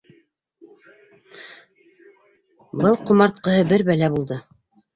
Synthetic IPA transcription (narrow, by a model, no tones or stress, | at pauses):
bɤlˠqŏmɑɾt̪̚qɤ̆hɤbɘɾbælæbulˠd̪ɤ